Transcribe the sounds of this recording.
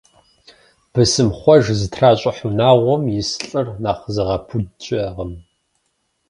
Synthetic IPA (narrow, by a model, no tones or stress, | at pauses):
b̥ɨsɨmχʷɔʒzɨtʰraːɕʼɪħunaːʁʷɔmjɪsɬʼɨrnaːχzɨʁɐpʰudt͡ʃʼɪʁəm